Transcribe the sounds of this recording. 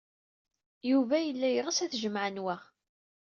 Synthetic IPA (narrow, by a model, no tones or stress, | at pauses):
juvæjəlːæjɾəsæθʒəmʕənwa